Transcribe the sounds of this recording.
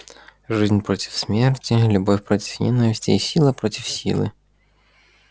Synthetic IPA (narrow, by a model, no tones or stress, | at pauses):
ʒɪzʲnʲpɾɔtʲi̥wsmʲɛrtʲilʲʊbɔfʲpɾɔtʲi̥wjʲɛ̰nɔʋʲisʲtʲiːsʲilˠɐpɾɔtʲiwsʲḭlˠɪ̰